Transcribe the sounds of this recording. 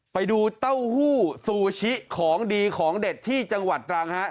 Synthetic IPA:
pa˧jduː˧t̪a˥˩whuː˥˩suː˧t͡ɕʰi˦˥ʔkʰɔː˩˦ŋdiː˧kʰɔː˩˦ŋde˨˩t̪ʰːiː˥˩t͡ɕa˧ŋwa˨˩t̪̚ːɾaː˧ŋha˦˥ʔ

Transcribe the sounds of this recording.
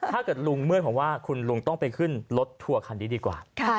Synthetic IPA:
t̪ʰaː˥˩kɤː˨˩t̪̚lu˧ŋmɯ˥˩t̪̚kʰɔː˨˩˦waː˥˩kʰu˧nlu˧ŋt̪ɔ˥˩ŋpa˧jkʰɯ˥˩nlo˦˥t̪ʰːu˧ɐkʰa˧ndiː˧˩diː˧kwa̰ː˨˩˥

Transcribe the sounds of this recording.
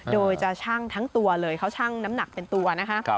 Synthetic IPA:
doː˧jt͡ɕa˨˩t͡ɕʰaː˥˩ŋt̪ʰa˦˥ŋt̪u˧ɐlɤː˧jkʰa˥˩wt͡ɕʰaː˥˩ŋna˦˥mna˨˩k̚pe˧nt̪u˧ɐna˦˥kʰa˦˥ʔ

